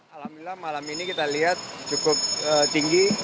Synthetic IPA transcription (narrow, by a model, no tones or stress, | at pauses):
alamilamalaminikit̪aliɦat̪̚t͡ʃukʊp̚ət̪iŋɡi